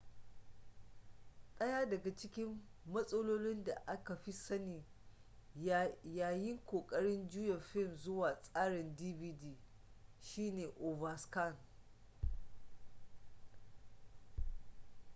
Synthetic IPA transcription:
ɗɐ˦jaː˦dɐ˨ɡa˨t͡ʃɪ˦kʲɪ˦mːɐ˦sʼɐ˦loː˦lɪ˦nda˨ʔa˦ka˨ɸi˦sɐ˦niː˨ | jaː˦jɪ˦ŋkʷoː˨kʼɐ˦ɽɪ˦nd͡ʒʊ˦jɐ˨ɸɪ˦˨mzʊ˦waː˨sʼaː˦ɽɪ˨ndiː˦biː˦diː˦ | ʃiː˦neː˨ʔo˨vɐ˨ska˦˨n

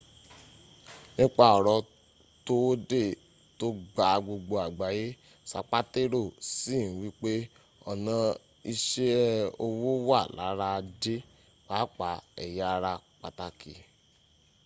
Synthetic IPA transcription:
nĩ˦k͡pa˦ɔ˨ɾɔ˧ | to˦de˦˨ | to˦ɡ͡ba˨˦ɡ͡bo˧ɡ͡bo˧a˨ɡ͡ba˨je˦ | sa̰˨k͡pa˦te˦ɾo˦˨si˦˨˦wi˦k͡pe˦ | ɔ˨nã˧ | i˧ʃe˦o˧wo˦wa˦˨la̰˨˦ɾa˧˦˧de˦ | wa˨˦k͡pa˨˦ɛ̰˨ja˦˧ɾa˧k͡pa˧˨ta˧kḭ˨

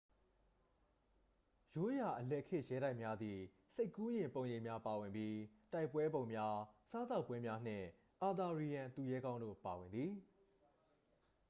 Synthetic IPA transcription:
jo˦ja˨ʔəlɛ˦ʔkʰɪ̃˦ʔjɛ˦ɾa˦ɪ˨mja˦d̪ði˨ | se˦ɪkːu˦jɪ̃˨mpõ˨ʊ̃jẽ˨mja˦pa˨wɪ̃˨mbji˦ta˦ɪpːwɛ˦bõ˨ʊ̃mja˦sa˦t̪a˦ʊpːwɛ˦mja˦n̥ɪ̰̃˦˨ | ʔa˨d̪a˨ɹi˨ã˨nt̪u˨jɛ˦ɡã˦ʊ̃ndo̰˦˨pa˨wɪ̃˨nd̪ði˨

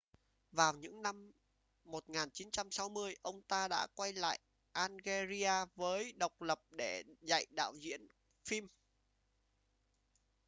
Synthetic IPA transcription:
vaː˨˩wɲɨ̰˧˥ŋna˧mː | o˨˩t̚ŋaː˨˩nt͡ɕi˨˦nt͡ɕa˧msa˨˦wmɨ˧əjʔə˧wŋ͡mt̪aː˧ɗa̰ː˧˥kwa˧jla̰ː˧˨j | ʔaː˧nɣe˧zi˧aː˧vəː˨˦jɗə˨˩wk͡p̚lə˨˩p̚ɗe˧˩za̰˧˨jɗa̰ː˧˨wzḭ˧˥ən | fi˧m

